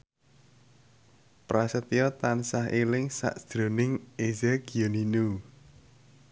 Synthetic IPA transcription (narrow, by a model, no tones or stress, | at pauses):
pɾʔasət̪ijɔt̪ansaɦelɪŋsa̰ʔsd̪̥ɾonɪŋezɛɡ̥ioninu